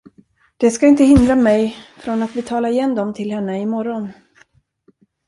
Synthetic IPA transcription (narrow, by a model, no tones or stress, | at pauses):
d̪̥ɛskaɪnt̪əhɪnd̪ɾamɛjfɾɔnat̪vɪt̪ʰɑːlaɾɪjɛnd̪ɔmt̪ʰɪlhɛnːəɪmɔɾɔn